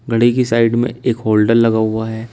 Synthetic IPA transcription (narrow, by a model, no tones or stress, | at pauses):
ɡʱɐɽikisaːɪɖmḛ̃eːkɦoːlɖəɾlɐɡaɦʊaɦɛː